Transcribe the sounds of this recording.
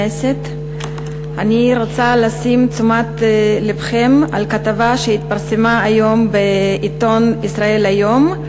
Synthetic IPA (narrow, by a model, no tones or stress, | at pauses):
eset̪ | aniʁot͡salasimt͡sumat̪lepχema̰lkat̪avaʃeit̪̚paʁsemaːjo̞mbeit̪onisʁae̞lajom